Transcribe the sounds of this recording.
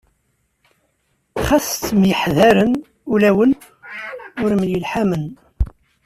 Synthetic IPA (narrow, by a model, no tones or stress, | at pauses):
χæθt̪ːmjəħðæɾən | ulæwən | ʊɾmnjəlħamən